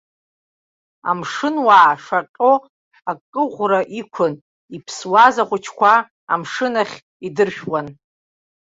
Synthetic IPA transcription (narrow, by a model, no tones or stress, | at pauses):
a̰mʂɨnwaːʂaqʲʼo | akʼːɨʁʷraʔikʷʰʊn | ipʰswazaχʷʊt͡ʃʰkʷʰa̰ː | mʂɨnaχʲ | idɨrʃᶣwan